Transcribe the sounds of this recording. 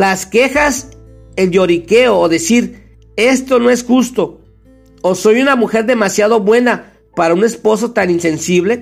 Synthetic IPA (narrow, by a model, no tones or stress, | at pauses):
laske̞xas | eldjo̞ɾikeoːðe̞siɾ | e̞st̪o̞no̞e̞sxust̪o̞ | oso̞junamuxe̞ɾðe̞masjað̞o̞βwe̞na | paɾaune̞spo̞s̬o̞t̪aninse̞nsiβle̞